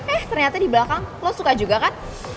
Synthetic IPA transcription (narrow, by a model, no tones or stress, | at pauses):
ɛht̪ərɲat̪adiblakaŋlosukad͡ʒuɡakan